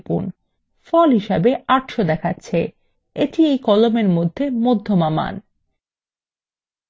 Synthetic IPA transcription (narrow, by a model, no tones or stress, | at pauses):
pṵn | fɔlɦiʃabeaʈʃod̪ɛkʰatːɕʰe | et̪iejkɔlomeɾmod̪ʱːemod̪ʱːomama̰n